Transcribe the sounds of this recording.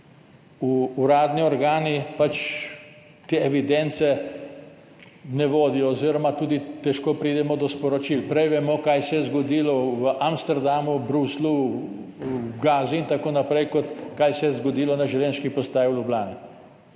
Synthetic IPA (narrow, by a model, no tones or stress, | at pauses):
uːɾaːd̪niɔɾɡaːnipat͡ʃ | t̪eɛʋid̪ɛnt̪sɛ | nɛʋoːd̪ijɔːziɾɔmat̪uːd̪it̪ɛʃkoːpɾiːd̪ɛmɔd̪ɔspɔɾɔt͡ʃilpɾɛjʋɛmɔkajsɛjɛzɡɔd̪iːlɔʋəʔamst̪ɛɾd̪amubɾuslu | ɡaːziint̪akoːnapɾɛjkɔt̪kajsɛjɛzɡɔd̪iːlɔnaʒɛwljɛnʃkipɔst̪aːjiulʲjublʲaːni